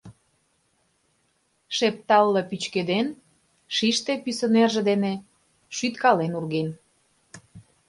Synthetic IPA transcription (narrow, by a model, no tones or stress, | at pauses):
ʃep̚t̪ɑlːɤpyt͡ɕked̪en | ʃiʃt̪epysə̆nerʒĕd̪ene | ʃyt̪kɑlenurɣen